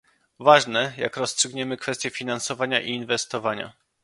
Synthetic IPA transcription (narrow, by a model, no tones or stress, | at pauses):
vaʐnɛja̰kɾɔstʂɘɡɲɛmɘkfɛst̪ʲjɛfʲinansɔvaɲaʔiːnvɛst̪ɔvaɲa̰